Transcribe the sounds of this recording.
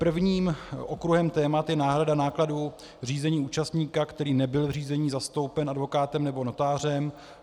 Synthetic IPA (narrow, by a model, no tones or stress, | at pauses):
pr̩vɲiːmʔokɾuɦɛmt̪ɛːmat̪jɛnaːɦɾadanaːkladu | r̝iːzɛɲiːuːt͡ʃast̪ɲiːkakt̪ɛɾiːnɛbɪlvriːzɛɲiːzast̪o̞wpɛnʔadvo̞kaːt̪ɛmnɛbo̞no̞t̪aːrɛm